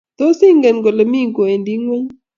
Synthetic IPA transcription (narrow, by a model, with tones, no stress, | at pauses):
t̪o˦si˦ŋɡɛ˨nɡɔ˨le˨mi˦ŋɡo˨e˨ndi˦ŋwɛ˦ɲ